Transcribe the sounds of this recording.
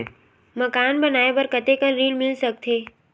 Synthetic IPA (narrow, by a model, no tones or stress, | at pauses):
məkaːnbənaːebəɾkət̪ekənɾiːlmɪlsək̚t̪ʰeː